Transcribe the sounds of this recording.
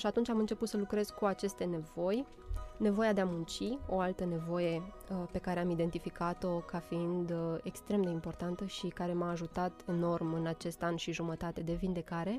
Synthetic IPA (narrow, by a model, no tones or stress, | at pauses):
ʃiat̪unt͡ʃʲamɨnt͡ʃe̞put̪səlukɾe̞z̥kuat͡ʃe̞st̪e̞ne̞vo̞j | ne̞vo̞jad̪e̞amunt͡ʃio̞alt̪əne̞vo̞je̞ | pe̞kaɾe̞amid̪e̞nt̪ifikat̪o̞kafiind̪ekst̪ɾe̞md̪e̞impo̞rt̪ant̪əʃikaɾe̞maːʒut̪at̪no̞rmɨnat͡ʃe̞st̪anʃiʒumət̪at̪e̞d̪e̞vind̪e̞kaɾe̞